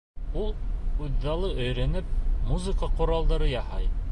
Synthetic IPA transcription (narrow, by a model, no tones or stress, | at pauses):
ulˠʉðːɑlˠɤɵ̆jɾænɘp̚muzɨkɑqŏɾɑlˠd̪ɑɾɤjɑhɑj